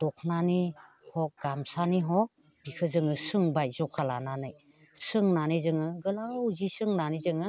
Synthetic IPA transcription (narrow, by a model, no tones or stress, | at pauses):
d̥ɔkʰnanihɔk̚ɡamsaniɦɔk̚ | b̥ikʰɯzɯŋɯsɯŋbajzɔkʰalananɯj | sɯŋnanɯjzɯŋɯɡɯlawzisɯŋnanizɯŋɯ